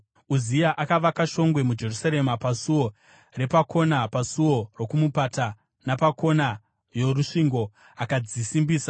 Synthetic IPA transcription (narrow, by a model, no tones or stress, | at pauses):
uzijaʔakaʋakaʃo̞ŋɡwe̞mud͡ʒe̞rusaɾe̞mapasuwo̞ | re̞pakʰo̞napasuwo̞ro̞kumupata | napako̞na | jo̞ruʂiŋɡo̞ | akad͡zisimbiːsa